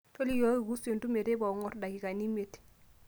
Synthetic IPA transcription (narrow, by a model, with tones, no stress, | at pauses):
to˦li˦jɔ˦i˨ku˦se˨n˨tu˦me˨ɾe˦ba˨u˨ŋɔ˦ɾda˨ki˨ka˨ni˦me˨t